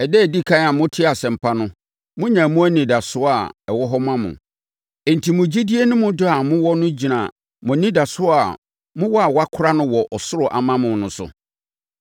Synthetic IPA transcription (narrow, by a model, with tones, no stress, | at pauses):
ɛ˨dɛ˦˨di˦kʰã˦a˨mʊ̃˦tʰɪ˦a˨sɛ̃˨m̩˨pʰa˦nʊ̃˦ | mʊ̃˦ɲã˨mʊ̃˦æ˦nĩ˨da˨sʊ˦a˨ɛ˨wɔ˦ɦɔ˦mã˦mʊ̰̃˨ | ɛ˨n̩˨tʰi˨mʊ̃˨d͡ʑi˦di˦e˦nʊ̃˦mʊ̃˦dʊ˦a˨mʊ̃˦wɔ˦nʊ̃˦d͡ʑi˨nã˨ | mʊ̃˨nĩ˦da˨sʊ˦a˨ | mʊ̃˦wɔ˦a˨wa˦kʰʊ˦ɾa˦nʊ̃˦wɔ˨ʔɔ˨sʊ˦ɾʊ˨ʔa̰˨mã˦mʊ̃˨nʊ̃˨sʊ̰˨